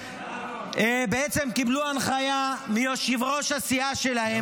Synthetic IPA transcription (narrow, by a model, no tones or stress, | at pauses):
beet͡se̞mkibluanχajamijoʃivʁo̞ʃasiaʃe̞lahe